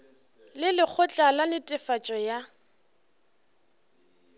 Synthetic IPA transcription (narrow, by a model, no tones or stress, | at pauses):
lɪlɪk͡xʰʊt͡ɬʼalalɪtʼɪfat͡ʃʼɔja